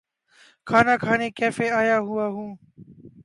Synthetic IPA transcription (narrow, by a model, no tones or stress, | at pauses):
kʰaːnaːkʰaːneːkeːfeːaːjaːɦʊaːɦũː